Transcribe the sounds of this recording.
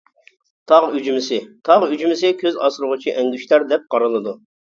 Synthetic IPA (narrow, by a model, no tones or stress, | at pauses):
t̪ʰɑʁyd͡ʒmɪsɪt̪ʰɑʁyd͡ʒymɪsɪkʲʰøzɑ̰sɾʊʁʊt͡ʃʰiʔɛŋɡʲyʃlæɾd̪ɛp̚qɑɾɨlˠɨd̪u